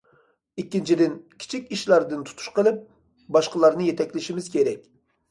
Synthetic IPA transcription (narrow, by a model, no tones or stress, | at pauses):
ikʲːint͡ʃʰid̪ɪnkʲʰi̥t͡ʃʰikʲiʃlˠɑɾd̪ɨnt̪ʰu̥t̪ʰu̥ʃqəlˠɪp̚ | bɑʃqəlˠɑɾnɨjet̪ʰɛkʲlɪʃimɪz̥kʲʰeɾɛkʲ